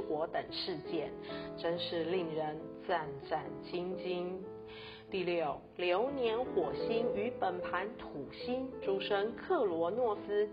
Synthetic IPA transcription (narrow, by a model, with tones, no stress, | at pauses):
xwɔ˧˥t̪ə˨˩ŋʂɻ̩˥˧t͡ɕjɛ˥˩nʈ͡ʂə˥nʂɻ̩˥˧li˥˩ŋɻə˧˥nt͡sa˥˧nʈ͡ʂa˥˩nt͡ɕi˥ŋt͡ɕi˥n | t̪i˥˧ljo˥˩ʊljo˧˥ʊnjɛ˧˥nxwɔ˨˩ɕi˥ny˧˥pə˨˩npʰa˧˥nt̪ʰu˨˩ɕi˥nʈ͡ʂu˥ʂə˥ŋkʰɤ˥˩lwɔ˧˥nwɔ˥˩sɹ̩˥